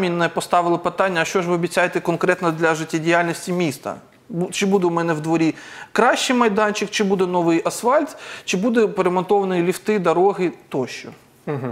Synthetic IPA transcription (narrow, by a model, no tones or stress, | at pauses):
mʲinɛpɔst̪ɑʋɪlˠɪpɪt̪ɑnʲːɐːʃt͡ʃɔʒʋɪɔbʲitt͡sʲːajet̪ɛkɔnkɾɛt̪nɐd̪lʲɐʒɪtʲːadʲijalʲnʲisʲtʲimʲist̪ɐ̰ | bt͡ʃɪbud̪ɛʊmɛnɛwd̪ʋɔɾʲikɾɑʃt͡ʃɪjmɐjd̪ɑnʲt͡ʃɪkt͡ʃɪbud̪ɛnɔʋɪjɐsfɑlʲt̪ʲt͡ʃɪbud̪ɛpeɾemɔnt̪ɔʋɐnɔjilʲift̪ɪd̪ɐɾɔɦɪt̪ɔʃt͡ʃɔ | ɦ